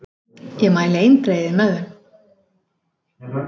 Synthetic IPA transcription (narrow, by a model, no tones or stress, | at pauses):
jɛɣmaːjlɪejnt̪ɾejðɪmɛðʏm